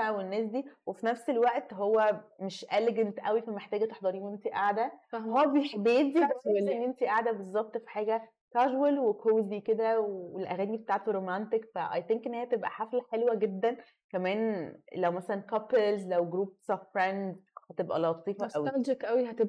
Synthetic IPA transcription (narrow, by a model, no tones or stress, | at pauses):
wenːæːs̬d̪iːwefinæfselwæʔt̪ɦowːæmeʃʔeleɡent̪ʔæwifæmeħt̪æːɡæt̪e̥ħd̪ˤɑɾiːnemt̪iʔaʕd̪æhæːbebejed̪iæælːenʔemt̪iʔaʕd̪æbezˤːɑb̚t̪ˤfi̥ħaːɡæ | k̪æʒwelwekʰoːziked̪æwewelʔæɣæːnibet̪aːʕt̪oɾomænt̪ekfæʔɑ̰jt̪eŋkʔenːhehæt̪ebʔæ̰ħaflħelwæɡed̪ːæn | kæmæːnlæwmæsælænkæpelzlæwɡɾuːb̚sɑffɾændhæt̪ebʔæ̰lɑːt̪ˤiːfɑʔæwid͡ʒekʔæwihæt̪e